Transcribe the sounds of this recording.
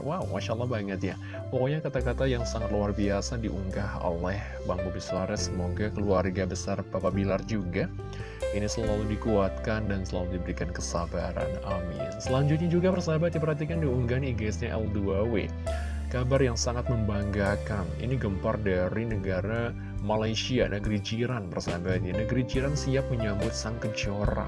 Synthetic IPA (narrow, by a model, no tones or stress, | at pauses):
wawmaʃaəlːɑhbaŋət̪ja | pokoɲakat̪akat̪ajaŋsaŋat̪̚luarbiasadiʔuŋɡaho̰lɛh | baŋbobisuaɾɛsəmoɡakəluarɡabəsarpapabilard͡ʒuɡa | inisəllaludikuat̪̚kandansəla̰ludibəɾikankəsabaɾa̰namḭa̰səlaɲd͡ʒʊt̪̚ɲad͡ʒuɡapərsaɦabat̪̚ɲiap̬ərhat̪̬ikandiuŋɡaniɡasɲaʔɛ̰lduawḛ | kabarjaŋsaŋat̪̚məmbaŋɡakanḭniɡəmpardaɾinəɡaɾa | malajsianʔəɡɾid͡ʒiɾanpərsaɦabat̪̚ɲanəɡɾid͡ʒiɾansiap̚məɲambʊt̪̚saŋkəd͡ʒoɾa̰